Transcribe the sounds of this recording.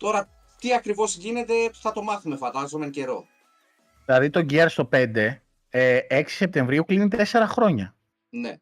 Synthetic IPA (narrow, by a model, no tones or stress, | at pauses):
t̪o̞ɾɐ | t̪iɐkɾivo̞zʝine̞t̪e̞̥θɐt̪o̞mɐθumefɐnd̪ɐzo̞meŋce̞ɾo̞̰ | ðilɐðit̪o̞ɲɟieɾst̪o̞pe̞nd̪e̞ | eksi̥se̞p̚t̪e̞ɱvɾiuklinit̪e̞se̞ɾɐxɾo̞ɲɐ | nḛ